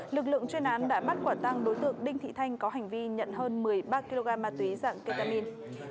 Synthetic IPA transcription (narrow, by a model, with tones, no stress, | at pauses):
lɨ˨˩k̚lɨ̰˧˨əŋt͡ɕwi˧ənʔaː˨˦nɗa̰ː˧˥ɓa˦˥t̚kwaː˧˩nt̪a˧ŋɗo˨˦jt̪ɨ̰˧˨əŋɗï˧ŋ̟t̪ʰḭ˧˨t̪ʰa˧jŋ̟kɔ˨˦ɦa˨˩ŋ̟vi˧ɲə̰˧˨nɦəː˧nmɨ˨˩əjɓaː˧ki˧lo˧ɣaː˧mːaː˧t̪wi˨˦za̰ː˧˨ŋkə˧t̪aː˧mi˧n